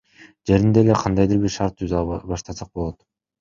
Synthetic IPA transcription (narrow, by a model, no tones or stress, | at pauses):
d͡ʒe̞ɾind̪e̞le̞qʰɑnd̪ɑjd̪ɯɾbiɾʃɑɾt̪̚ːʰyzɑbɑʃt̪ɑsɑq̚bolˠo̞t̪